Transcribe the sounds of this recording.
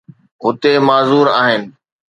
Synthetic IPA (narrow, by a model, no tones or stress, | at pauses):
ɦʊt̪emaːzuːɾaːɦɪnɪ̆